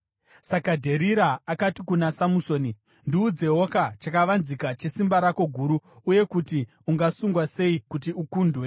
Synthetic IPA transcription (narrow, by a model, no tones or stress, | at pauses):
sakadʱe̞ɾiɾaːkatikunasamuso̞ːni | ndiud͡ze̞ɦo̞kat͡ʃakaʋanzikat͡ʃe̞simbaɾako̞ɡʱuːɾuuje̞kuti | uŋɡasuŋɡwase̞ikutiukuːndʱwe̞